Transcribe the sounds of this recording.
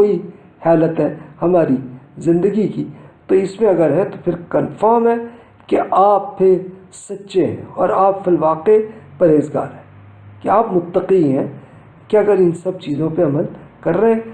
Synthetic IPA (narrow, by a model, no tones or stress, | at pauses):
oːi | haːlət̪ɦɛ̃hɐmaːɾizɪ̃nd̪əɡikit̪oɪsmẽɐɡəɾɦɛ̃t̪opʰɪɾkɐnfaːɾmɦɛ | keʔaːppʰe | sɐtːʃeɦɛ̰̃ɔːɾaːpfɪlʋaːqepɐɾeːzɡa̰ːɾɦɛ̃ | keaːpmʊt̪ːəqiɦɛ̃ | keɐɡəɾɪnsɐb̚t͡ʃiːzõpeɐməlkɐɾːeɛ̃